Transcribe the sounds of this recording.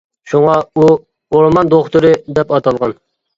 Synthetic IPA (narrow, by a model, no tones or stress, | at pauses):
ʃuŋɑu | oɾmɑnd̪oχt̪uɾɨd̪ɛpɑt̪ʰɑlˠʁɑn